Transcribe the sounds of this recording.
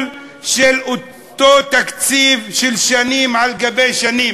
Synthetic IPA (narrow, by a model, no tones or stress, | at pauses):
l | ʃelʔo | t̪ːoːt̪akt͡siːvʃelʃaniːmʕalɡabejʃaniːm